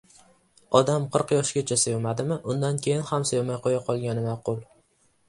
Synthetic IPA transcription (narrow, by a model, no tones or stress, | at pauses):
ɒd̪amqʰɨɾqjɒʃɡʲat͡ʃʰasevmad̪ɪmɪʔʊnd̪ankʲʰe̞jɪnhamsevmajqʰojaqʰɒlˠɡʲanɪmaqʊlˠ